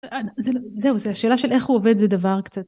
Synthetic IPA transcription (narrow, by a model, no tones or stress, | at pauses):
anzeloze̞uzeaʃe̞ːlaʃele̞χhuove̞d̪zed̪avaʁkt͡sat̪